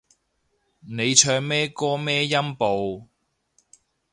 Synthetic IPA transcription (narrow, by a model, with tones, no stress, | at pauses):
ne˨˧jt͡ʃʰœː˧ŋmɛː˥kɔː˥mɛː˥jɐ˥mpo˨w